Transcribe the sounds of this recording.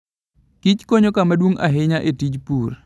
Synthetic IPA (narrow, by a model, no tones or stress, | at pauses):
kit͡ʃkoɲokamadwoŋa̰ɦɪɲaʔetid͡ʒpur